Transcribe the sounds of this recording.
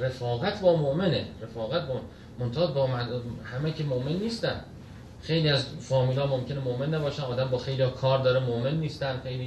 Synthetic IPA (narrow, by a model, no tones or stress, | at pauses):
refɒːɣæt̪ʰbɒːmoʔmenerefɒːɣæt̪̚bɒː | mont̪ʰɒbɒːmædhæmækʰemoʔmenːiːst̪æn | xe̞jliːæzfɒːmiːlɒːmomcʰe̞nemoʔmenːæbɒːʃænʔɒːd̪æmbɒːxe̞jliɒkʰɒːɾd̪ɒːɾemoʔmenːiːst̪ænxe̞jliː